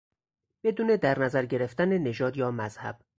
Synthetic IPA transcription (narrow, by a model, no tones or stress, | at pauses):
b̥e̞d̪uːne̞d̪æɾnæzæɾɟe̞ɾe̞ft̪ænene̞ʒɒːd̪jɒːmæz̥hæ̰b̥